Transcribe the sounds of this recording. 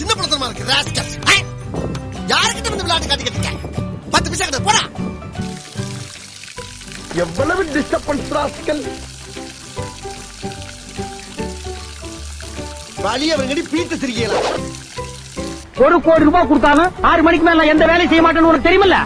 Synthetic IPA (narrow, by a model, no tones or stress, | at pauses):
sɪnd̪ɐpːɔlɐt̪ːɐɾɐmaːnɾkːɾaːsʈɐsa | jaːɾɯkːʈːɐmɐnd̪ɐʋɪlːaːʈːɯkːaːt̪ɪkɐt̪ːɪkːa̰ŋpɐt̪ːɯpɪsaːkɐʈːɐpoːɽa̰ː | ɛʋːɐlɐʋɯnɖɪsʈɐpːɐnspɾaːskɐl | ʋɐlijɐʋɐɾŋɡɐɽipiːt̪ːɐsɪɾɪkɐjɐlã̰ː | ɔɾɯkːoːɽiɾubaːkɔɽɯt̪̬ːaːɣɐaːɾɯmɐnɪk̬ːɯmeːlːãːɛnd̪ɐʋeːlɐsɛjːɐmaːʈ̬ːɐːnːɯɔnɐkːɯt̪ɛɾɪjɐmɐlːɐ̰